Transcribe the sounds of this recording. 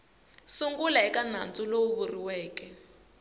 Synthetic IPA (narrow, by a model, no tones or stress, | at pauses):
suŋɡulaɛkan̤a̰nt͡sʼulouβuriwɛːkɛ